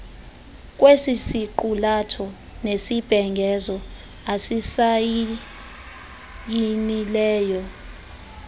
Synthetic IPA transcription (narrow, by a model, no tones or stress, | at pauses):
k̬ʼwesisiǃulatʰɔ | nesib̥ʱɛŋɡʱɛzɔ | asisaj | jinilɛːjɔ